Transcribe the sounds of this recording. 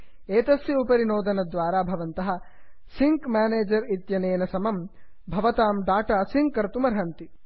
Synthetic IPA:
eːt̪ɐsjɐupɐɾinoːd̪ʱɐnɐd̪ʋaːɾaːbʱɐʋɐnt̪ɐɦɐ̆ | siŋkmʲaːneːd͡ʒɐɾit̪jɐneːnɐsɐmɐm | bʱɐʋɐt̪aːmɖaːʈaːsiŋkːɐɾt̪umɐɾɦɐnt̪i

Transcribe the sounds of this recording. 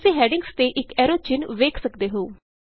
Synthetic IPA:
sẽːɦɛːɖɪŋɡst̪eːʔɪkɛːɾoːt͡ʃɪnʋeːkʰsəkd̪eːɦoː

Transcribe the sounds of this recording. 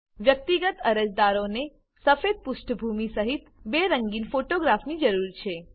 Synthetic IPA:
ʋjək̚t̪iɡət̪əɾəd͡ʒd̪aɾõne | səfed̪̚pʊʃʈbʱumisəɦit̪beɾəŋɡiːnfoʈoɡɾafʰnid͡ʒəɾuɾt͡ʃʰe

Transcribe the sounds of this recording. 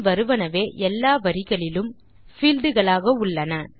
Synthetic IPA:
ʋɐɾɯʋɐnɐʋeːʔɛlːaːʋɐɾɪɣɐɭɪlɯm | fiːld̪ɯɣɐɭaːɣɐʊɭːɐnɐ

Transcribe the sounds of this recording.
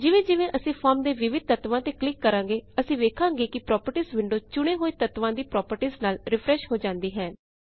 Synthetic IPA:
d͡ʒɪʋẽːd͡ʒɪʋẽːʔəsĩːpʰɔːɾmd̪eːʋɪʋɪd̪̚t̪ət̪ʋãːt̪ẽːklɪkːəɾãːŋɡeːəsĩːʋeːkʰãːɡeːkɪpɾɔːpəɾʈiːzʋɪ̃ɳɖoːt͡ʃʊɽ̃eːɦoːeːt̪ət̪ʋãːd̪iːpɾɔːpəɾʈiːznaːlɾɪpʰɾɛːʃɦoːd͡ʒãːnd̪iːɦɛː

